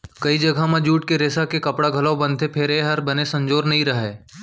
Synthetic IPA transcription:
kɐid͡ʒɐɡʱamãd͡ʒuːʈkeɾeːsakekɐpɽaɡʱɐlabɐ̃nt̪ʰepʰeɾeɦɐɾbɐnesɐ̃ɲd͡ʒoːɾnɐɦĩɾɐɦeː

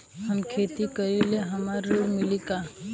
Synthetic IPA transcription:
hɐmkʰeːt̪ikəɾileɦɐmaɾːuːɾmɪlika

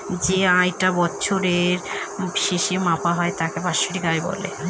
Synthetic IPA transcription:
d͡ʑeajʈabɔtːɕʰoɾeɾbiʃeʃimapaɦɔet̪akebaʃoɾikajbɔ̰lḛ

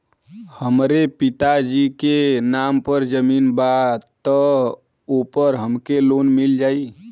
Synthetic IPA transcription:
həmɾepɪt̪ad͡ʒikenaːmpəɾd͡ʒəmiːnbat̪ə | opəɾɦəmkeloːnmɪld͡ʒaːi

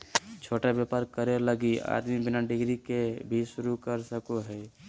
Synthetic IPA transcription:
t͡ʃʰoʈabjapaɾkəɾeləɡia̰d̪mibinaɖiɡɾikebʱisuɾukəɾsəkoɦəj

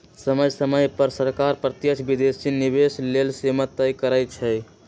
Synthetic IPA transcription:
səməjsəməjpəɾsəɾkaɾpɾət̪jət͡ʃʰbid̪esinibeslelsemət̪ːəjkəɾət̪̚t͡ʃʰɛj

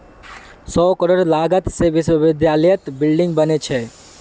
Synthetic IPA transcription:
sɔːkəɾoɾlaːɡət̪seʋɪswəʋɪd̪jaːləjət̪bɪlɖɪ̃ŋɡ̚bənet͡ʃʰɛ

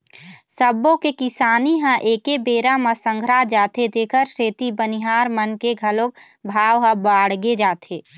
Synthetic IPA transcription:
səbõkekɪsaːniɦãʔeːkebeːɾamãsə̃ŋɡʱɾad͡ʒaːt̪et̪eːkʰəɾseːt̪ibəniɦaːɾmənkeɡʱəlõk̚ | bʱaːwɦə̃baːɽɡed͡ʒaːt̪ʰeː

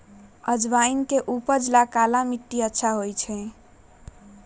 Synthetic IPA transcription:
əd͡ʒbainkeʔupəd͡ʒlakalamiʈːiətːʃʰaɦojt͡ʃʰɛ̃

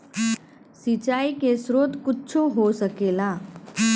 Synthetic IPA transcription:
sit͡ɕaikesɾot̪kutːɕʰoɦosəkela

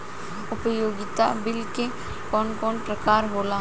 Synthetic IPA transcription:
ʊpəjoːɡɪt̪abɪlke | kɔːnkɔːnpɾɐkaːɾɦoːla

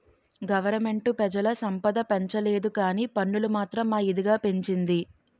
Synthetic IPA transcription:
ɡɐʋɐɾɐme̞ɳʈupɛd͡ʒɐlɐsɐmpɐd̪ɐpeɲt͡ʃɐle̞ːd̪ukaːniːpɐɳːulumaːt̪ɾɐmːaːid̪iɡaːpe̞ɲt͡ʃind̪i

